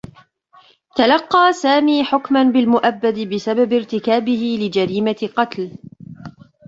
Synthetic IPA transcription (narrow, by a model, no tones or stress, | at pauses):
t̪alɑqːɑːsaːmiːħʊkmanbɪlmʊʔabːad̪ɪbɪsababɪɾt̪ɪkaːbɪhɪlɪd͡ʒaɾiːmaqɑt̪l